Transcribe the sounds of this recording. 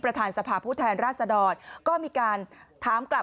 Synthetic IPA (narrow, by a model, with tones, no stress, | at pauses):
pɾa˧t̪ʰaː˧nsa˧pʰaː˧pʰuː˥˩t̪ʰɛː˧nɾaː˥˩t̪̚sa˧dɔː˧nkɔː˥˩miː˧kaː˧nt̪ʰaː˩˦mkla˨˩